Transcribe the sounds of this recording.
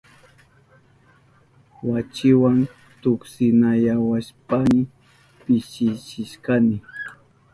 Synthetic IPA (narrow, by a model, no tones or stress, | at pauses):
wat͡ʃɪwan | t̪ʊksɪnajawaʃpamɪ | pɪʃɪt͡ʃɪʃkanɪ